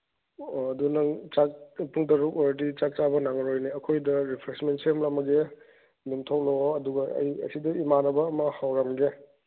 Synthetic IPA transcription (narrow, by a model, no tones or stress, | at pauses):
ɐdunɐŋt͡ʃak̚puŋtɐɾukoɾdit͡ʃak̚t͡ʃabɐnaŋɾojniɐkʰojdɐɾipʰɾesmentsʰemlɐmɐɡe | mintʰawloɐduɡɐɐ̰jɐ̰sidɐimanɐbɐːmɐhawɾɐmɡe